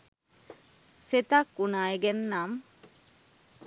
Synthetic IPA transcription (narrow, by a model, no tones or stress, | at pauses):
set̪akːunaːeɡenːam